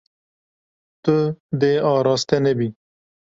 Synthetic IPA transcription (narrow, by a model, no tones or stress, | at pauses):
t̪əd̪eɑɾɑst̪enəbi